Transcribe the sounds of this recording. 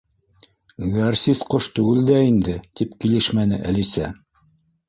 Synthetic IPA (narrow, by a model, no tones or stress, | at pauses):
ɡɑrsisqoʃt̪ʉɡɘld̪æind̪ɘt̪ipkilɘʃmænɘ̰ʔælisæ